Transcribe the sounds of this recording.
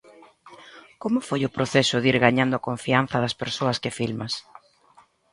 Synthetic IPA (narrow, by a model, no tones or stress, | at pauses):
komʊfojʊpɾoθɛsʊðiɾɣaɲãnd̪ʊakoɱfian̟θɐðɐspeɾsoɐskɪfilmɐs